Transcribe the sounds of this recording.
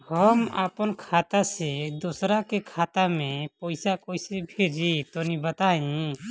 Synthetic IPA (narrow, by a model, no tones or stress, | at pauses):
hɔma̰pɔnkʰat̪ased̪osɾakekʰat̪amẽpɔjsakojsebʱed͡ʒit̪ɔnibət̪ã